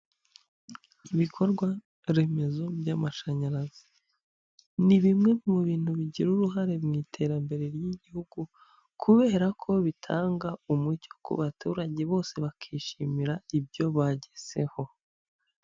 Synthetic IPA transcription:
iβikʰo̞ɾɡwa | ɾe̞me̞zo̞bjamaʃaɲaɾazi | niβimŋe̞muβiːn̥huβiɟiɾuɾuɦaɾe̞mŋiːtʰe̞ːɾambe̞ɾe̞ɾjiɟihuɡu | kʰuβe̞ːɾakʰo̞βitʰaːŋɡaumuco̥kʰṵβatuːɾaɟe̞βo̞ːse̞βakʰiːʃimiɾaibjo̞βaɟez̥e̞ho̞

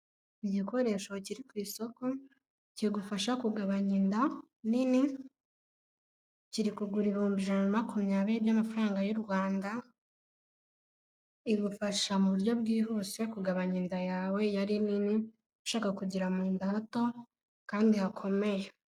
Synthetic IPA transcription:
iɟiko̞ɾe̞ːʃo̞ciɾikwiːso̞ko̞ | ciɡufaʃakuɡaβaɲinda | nini | ciɾikuɡuɾiɾoːmbiʒanamakumɲaːβiɾibjamafɾaːŋɡajoɾɡwaːnda | iɡufaʃamuβuɾjo̞b̚ɡiːɦo̞ːse̞kuɡaβaɲindajaːwe̞jaɾinini | aʃaːkakuɟiɾamuːndaato̞ | kaːndihakʰo̞me̞je

